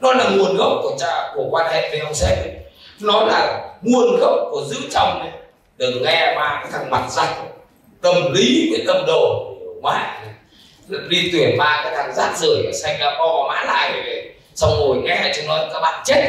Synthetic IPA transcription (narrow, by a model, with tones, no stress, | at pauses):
nɔ˨˦laː˨˩ŋu˨˩ənɣə˦˥wk͡p̚kɔ˨˧˩t͡ɕaː˧˩ku˧˩kwaː˧nhḛ˧˨ve˨˦hə˧wsɛ˧˩˨nɔ˨˦laː˨˩ŋu˨˩ənɣə˦˥w̚ku˧˨˩zɨ̰˧˥t͡ɕa˧wŋ͡mne˨˦ | ɗɨ˨˩ək̚ŋɛ˧maː˨˩kaː˨˦jt̪ʰa˧˩ŋma˨˩t̚za˧˩jŋ̟ | ɗə˨˩wŋ͡mli˨˦ɓḭ˧˨˦nɗə˧mɗo˨˩˨mwa̰ː˧˥˩ | ɗi˧t̪wi˧˩ənvaː˧kaː˨˦t̪ʰa˧˩ŋzaː˦˥t̚zɨ˧˩əja˨˩sa˧jŋlaː˨˩ɓɔ˧ɔ˧˦maː˨˦la̰ː˧˨jvə˨˩ve˨˩ | sa˧wŋ͡mho˨˩jŋɛ˧a˧˩jt͡ɕɔ˧wŋ͡mnɔ˨˦˨kaː˦˥k̚ɓa̰ː˧˨nt͡ɕe˦˥t̚